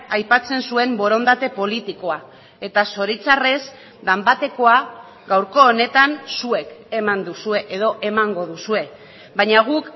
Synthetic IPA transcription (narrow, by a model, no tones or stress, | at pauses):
ajpat͡se̞nsue̞mbo̞ɾo̞nd̪at̪e̞po̞lit̪iko̞a | e̞t̪aso̞ɾit͡sare̞z | d̪ambat̪e̞ko̞a | ɡawɾko̞ːne̞t̪ansue̞ke̞mand̪usue̞ʔeðo̞ʔe̞maŋɡo̞ðusue̞ | baɲaɣ̞uk